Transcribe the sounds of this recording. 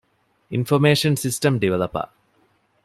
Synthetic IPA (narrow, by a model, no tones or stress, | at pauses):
infomeːʂɐnsisʈɐmɖiʋɐlɐpɐ̰